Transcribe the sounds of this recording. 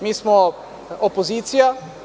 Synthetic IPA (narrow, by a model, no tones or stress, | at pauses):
miːsmɔ | opoziːt̪sija